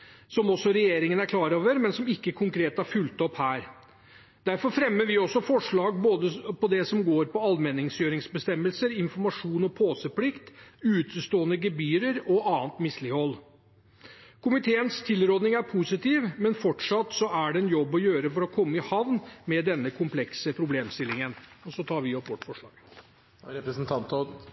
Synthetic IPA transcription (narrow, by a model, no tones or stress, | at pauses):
sɔmɔsːɔɾɛjeːɾɪŋənæɾkʰlɑːɾoːʋəɾmɛnsɔmɪkːəkʰʊŋkʰɾeːt̪hɑɾfʉlt̪ɔphæːɾ | d̪̥æɾfɔɾfɾɛmːəɾʋɪɔsɔfɔʂɭɑːɡboːd̪əpɔd̪ɛsɔmɡoːɾpɔɑlmɛnːɪŋsjøːɾɪŋsbəst̪ɛmːəlsəɾɪnfɔɾmɑʂuːnɔpʰoːsəplɪkt̪ʉːt̪ʰəst̪oːənəɡɛbyːɾəɾɔɑːənt̪mɪslɪhɔlː | kʰʊmɪt̪ʰeːənst̪ʰɪlɾoːd̪nɪŋæɾpʰusɪt̪ʰiːʋmɛnfɔʈʂɑt̪sɔæɖɛɛnjɔbːɔjøːɾəfɔɾɔkʰɔmːəɪhɑʋnmɛd̪ɛnːəkʰʊmpʰlɛksəpʰɾʊbleːmst̪ɪlːɪŋənɔsɔt̪ʰɑːɾʋɪɔt̪ʋɔʈːfɔʂɭɑ̰ːɡ̥ | ɾɛpɾəsnt̪ʰɑnt̪ɔ